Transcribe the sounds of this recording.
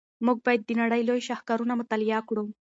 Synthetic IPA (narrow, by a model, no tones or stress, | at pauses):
muɡ̚bajd̪̚ːinaɽajlojɕahkaɾunamət̪alijakɽo